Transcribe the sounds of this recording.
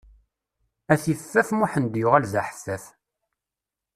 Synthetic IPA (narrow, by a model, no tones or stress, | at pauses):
æθifːæfmʊħənd̪jʊʁælðaħə̥θːæθ